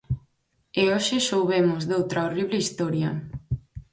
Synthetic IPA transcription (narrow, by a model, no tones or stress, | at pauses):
eoʃɪʃowβemʊzðowt̪ɾaoriβleist̪ɔɾjɐ